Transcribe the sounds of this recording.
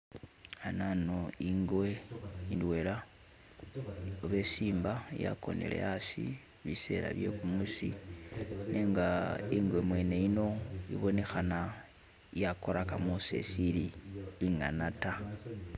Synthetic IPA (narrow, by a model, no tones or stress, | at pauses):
ananoiŋɡweindwe̞la | oβe̞siːmbaija̰ko̞nḛle̞̰asḭ | βise̞̰ɾa̰βje̞̰kumusḭ | ne̞ːŋɡaiŋɡwe̞mwe̞ːne̞ino̞ḭβo̞ne̞xana | ijako̞ɾakamuse̞̰siliːŋa̰nata